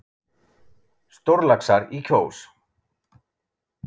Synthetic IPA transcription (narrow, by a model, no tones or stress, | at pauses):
st̪oɾlaksaɾicʰoːws